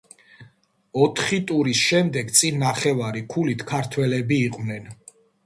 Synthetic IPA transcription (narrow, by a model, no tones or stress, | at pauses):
ɔt̪ʰχit̪ʼuɾisʃɛmd̪ɛɡt̪sʼinːaχɛvaɾikʰulit̪ʰkʰaɾt̪ʰwɛlɛbiːqʼwnɛn